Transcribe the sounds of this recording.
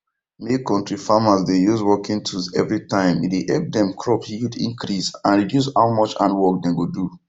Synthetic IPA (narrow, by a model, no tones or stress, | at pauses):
mekɔ̃ntɹifamasdejuzwɔkĩntʰuzɛ̰vɹitãɪ̃miteʔɛp̚dɛ̃mkʰɹɔphidḭ̃ŋkɾisãnɹidjus̬haʊmɔt͡ʃã̰nwɔk̚dɛ̃nɡodu